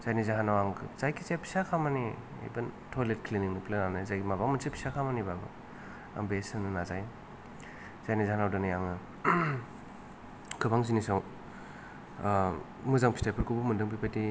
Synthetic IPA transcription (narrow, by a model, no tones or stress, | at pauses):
z̥ajnizaɦanawaŋkʰɯ̰zajkʰisaapʰi̥sakʰamani | ḛjbɐntʰolet̚kʰliniŋnɯplenanazajɡimabaŋmɯnsipʰi̥sakʰamanibabɯ̰ | a̰ŋbesɯnɯnazaj | z̥ajnizaɦanawdɯnɯjaŋɯ | kʰɯbaŋzinisaw | muzaŋpʰi̥stajpʰɯɾkʰɯbumɯndɯŋpipati